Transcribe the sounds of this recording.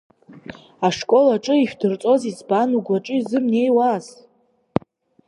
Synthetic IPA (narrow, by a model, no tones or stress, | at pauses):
aʂkʷʼo̞laʈ͡ʂʼɨiʃᶣdɨrt͡sʼo̞zizbanuɡʷaʈ͡ʂʼɨzɨmne̞jwaz